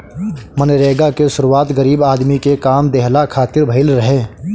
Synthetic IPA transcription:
mənɾeːɡakesʊɾuaːt̪ɡəɾiːbaːd̪mikekaːmd̪eɦlakʰaːt̪ɪɾbʱəɪlɾɐɦẽː

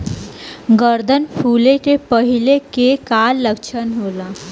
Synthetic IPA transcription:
ɡəɾd̪ʱənfʰuleʈ̪epəɦilekekalːəkʃʰənɦola

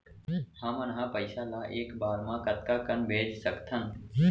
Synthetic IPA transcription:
hãːmənɦãːpəɪsaːlaːʔeːkbaːɾmãːkət̪kaːkənbʱeːd͡ʒsəkt̪ʰən

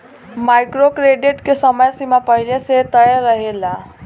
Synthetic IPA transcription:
majkɾokɾeɖiʈkesəməjsimapəɦileset̪əjəɾːəɦela

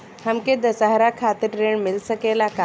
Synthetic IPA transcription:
hɐmked̪ɐsaɦɾakʰaːt̪ɪɾːeːɳ̃mɪlsəkeːlaka

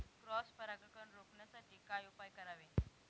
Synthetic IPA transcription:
kɾɔspəɾakɾkəɳɾokɳjat͡saʈikajupajkəɾaʋe

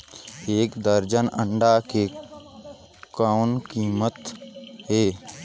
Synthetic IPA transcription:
eːkd̪əɾd͡ʒənə̃ɳɖake | kaːʊnkiːmət̪ɦeː

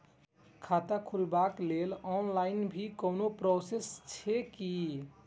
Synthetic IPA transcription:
kʰat̪akʰulbaklelɔnlaɪnbʱikəwnopɾɔsest͡ʃʰɛki

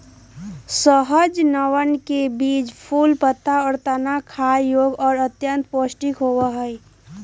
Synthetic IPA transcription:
səɦəd͡ʒnəwənkebiːd͡ʒpʰuːlpət̪ːaɔːɾt̪ənakʰajjoɡɔːɾət̪jənt̪̚poːsʈikɦowəɦəi

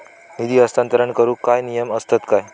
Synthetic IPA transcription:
nid̪iːəst̪ant̪əɾəɳkəɾuːkajnijəməst̪ət̪kaj

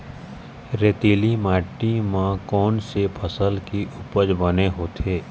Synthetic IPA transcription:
ɾeːt̪iːlimaːʈːimãkɔːnsepʰəsəlkiʔʊpəd͡ʒbəneɦoːt̪ʰeː

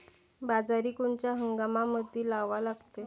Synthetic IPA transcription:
bad͡zaɾiːkuɳt͡ɕjaɦəŋɡamaməd̪ʱːiːlaʋalaɡt̪e

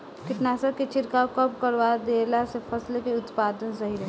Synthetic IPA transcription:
kɪʈnaːsəɾket͡ʃɪɾkaokəpkəɾʋad̪eːlasepʰɐslekeʊt̪paːd̪ənsəɦiɾɛɦ

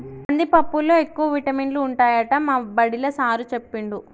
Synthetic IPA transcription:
ɐnd̪ipɐpːuloːekːuʋɐʋiʈɐminluːɳʈaːjɐʈɐmaːbɐɽilɐsaːɾut͡ʃe̞pːiɳɖu

